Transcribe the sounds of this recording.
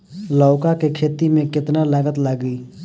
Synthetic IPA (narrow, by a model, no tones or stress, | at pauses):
lɔːkakekʰeːt̪imẽkɪt̪nalaɡət̪ləɡiː